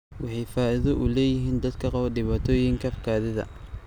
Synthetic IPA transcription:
wɑħɑjfaːɪðɔʔʊlɛːjɪɦiːnd̪ɐd̪kʰɐqɑβɐdɪβaːt̪ʰɔːjɪŋkʰɐfkʰaːðɪðɐ̰

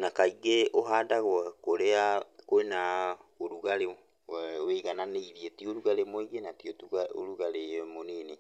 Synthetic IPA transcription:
nakaiɡeʔoɦaːdaɣwɛkoɾeakoenaoɾuɣaɾe | wɛweɣananeiðjetioɾuɣaɾemoiɡenatiotuao̰ɾuɣalemonene

